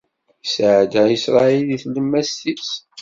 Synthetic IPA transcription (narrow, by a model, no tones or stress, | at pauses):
sʕd̪æisɾˤɑiliθləmːæstis